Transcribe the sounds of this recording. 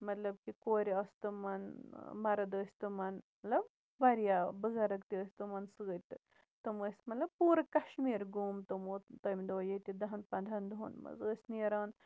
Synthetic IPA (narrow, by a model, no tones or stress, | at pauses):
mɐt̪lɐbkikoːɾiɐsʲt̪ɨmɐnmɐɾɐd̪əːsʲt̪ɨmɐnmɐt̪lɐb | bɐɾijabɨɡɐɾɐkt̪iəːsʲt̪ɨmɐnsɨɡət̪ɨ | t̪ɨməsʲmɐt̪lɐb̚puːɾɐkɐʃmiːɾɡuːmt̪umoːt̪ɐmʲd̪oːjet̪id̪ɐɦɐnpɐnd̪ʱɐnd̪ʱunmɐ̰zəːsʲniɐɾaːn